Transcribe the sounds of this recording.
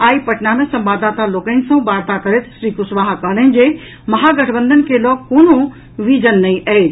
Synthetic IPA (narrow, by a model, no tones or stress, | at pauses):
aːipɐʈnamẽsɐ̃mbaːd̪aːt̪aloːkəɪnɪ̆sɐ̃ũbaːɾt̪akɐɾet̪ʰʃɾiːkʊsʋaːɦkɐɦlən̆d͡ʑeː | mɐɦaɡɐʈʰbə̃nd̪ʱənɪ̆kʰelɔːk̚koːno | ʋiːd͡ʑənːɐĩʔɐɦe